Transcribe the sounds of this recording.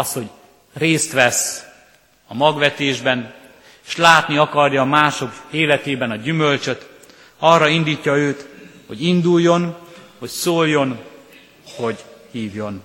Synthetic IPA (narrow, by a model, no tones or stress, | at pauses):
ɒsho̞ɟ | reːst̪ʋɛs | ɒmɒɡʋɛt̪eːʒbɛn | eʃlaːt̪niɒkɒrjɒːmaːʃo̞keːlɛt̪eːbɛnɒɟymølt͡ʃøt̪ | ɒrːɒind̪iːcːɒøːt̪ho̞̰ɟind̪ulːo̞nho̞csoːljo̞n | ho̞ɟhiːvjo̞n